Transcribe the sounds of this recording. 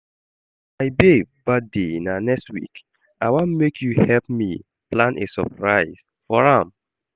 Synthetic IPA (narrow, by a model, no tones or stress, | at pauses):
aɪbebat̚denanɛkstwḭk | awãmekʰjuhɛlpmi | plãnʔḛsɔpɹaɪz̥ | fɔɹãm